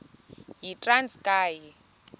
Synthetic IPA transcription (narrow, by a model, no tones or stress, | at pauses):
ɦitʼranskʼaːji